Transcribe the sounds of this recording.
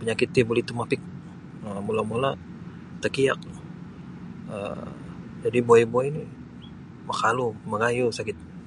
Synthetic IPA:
pəɲakɪt̪ːibolit̪umapɪk̚ | əmulamula | t̪ərkia̰k̚l | ə̰ | d͡ʒadiboɛboɛni | makaluməɡajusakɪt̪̚

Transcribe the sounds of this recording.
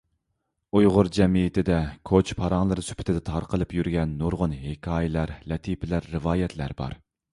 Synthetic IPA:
ujʁʊɾd͡ʒɛmijɪt̪ʰɪd̪ɛkʰot͡ʃpʰɑɾɑŋlˠɨɾɨsy̥pʰɪ̥t̪ʰɪd̪ɛt̪ʰɑɾqʰəlˠɨpjyɾɡʲɛnːuɾʁʊnɦekʲʰɑːjɪlæɾlɛt̪ʰipɪlæɾːɨvɑːjɛt̪ʰlæ̰ɾbɑ̰ɾ

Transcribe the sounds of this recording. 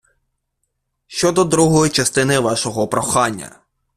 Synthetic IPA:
ʃt͡ʃɔd̪ɔd̪ɾuɦɔjit͡ʃɐst̪ɪnɪʋɑʃɔɦɔpɾɔxɑnʲːɐ̰

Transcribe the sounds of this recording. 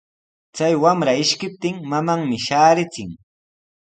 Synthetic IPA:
t͡sajwamɾaɪʃkɪp̚t̪ɪŋmamaŋmɪʃaːɾɪt͡sɪŋ

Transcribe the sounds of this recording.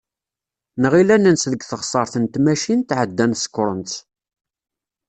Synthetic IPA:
nəʁilænənsðəɡθəχsˤɑɾˤθənt̪mæʃint̪ʕəd̪ːænθsə̥kːɾˤənt̪

